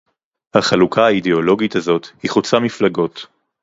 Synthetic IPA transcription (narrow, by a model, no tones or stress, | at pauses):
haχalukʰaaideo̞lo̞ɡitazo̞t̪hiχut͡samiflaɡo̞t